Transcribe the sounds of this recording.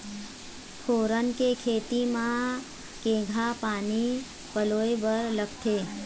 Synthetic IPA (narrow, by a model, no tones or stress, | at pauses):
fʰoɾənkekʰet̪imã | kẽɡʱapani | pəlojʋəɾləkt̪ʰe